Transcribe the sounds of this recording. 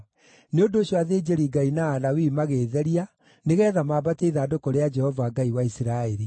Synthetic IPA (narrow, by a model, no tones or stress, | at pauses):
neondoːɕjɔaðeːd͡ʒeɾiɡainaːnawimaɣeːðɛɾia | neɣɛːðamaːbateiðaːdokɔɾead͡ʒɛhɔvaɡaiwaisiɾaeɾi